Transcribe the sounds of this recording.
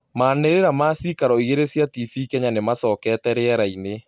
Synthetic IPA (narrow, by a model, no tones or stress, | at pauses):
maːneɾeɾamaːsikaɾɔieɾesjatifikɛɲanemasɔːkɛtɛɾeɛɾaine